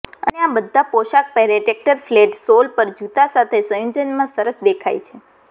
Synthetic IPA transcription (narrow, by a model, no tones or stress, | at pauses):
ə̰neabəd̪ʱːapoʃak̚pɛɾeʈek̚ʈəɾfleʈsolpəɾd͡ʒut̪asat̪ʰesə̃jud͡ʒənmãsəɾəsd̪ekʰa̰jt͡ʃʰe